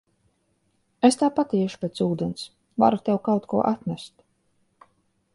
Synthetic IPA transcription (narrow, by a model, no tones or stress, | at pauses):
est̪aːpat̪iɛʃu̥pʲɛt̪suːd̪ɛns | va̰ɾut̪ʲewkawt̪kuɔʔat̪nʲæst̪